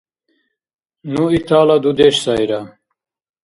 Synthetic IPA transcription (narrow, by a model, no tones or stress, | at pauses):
nuit̪ʰaːlad̪ud̪eɕsajɾa